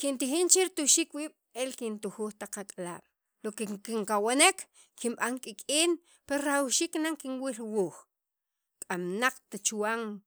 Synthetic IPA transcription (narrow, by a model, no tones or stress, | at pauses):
kint̪ixint͡ʃeɾit̪uʃiːkwiːɓ̥ | elkint̪uxuːxt̪aqakʼala̰ːɓ̥ | lokekiŋkawanek | kimɓaŋkʼikʼiːn | peɾoɾawʃiːknaŋkiŋwilwuːχ | kʼamnaq͡χt̪at͡ʃwaŋ